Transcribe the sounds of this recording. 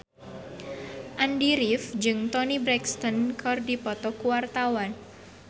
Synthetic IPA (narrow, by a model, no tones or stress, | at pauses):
ʔandiɾifd͡ʒɨŋt̪ɔnibɾɛkst̪ɔnkʰɔrdipɔt̪ɔkuwart̪awan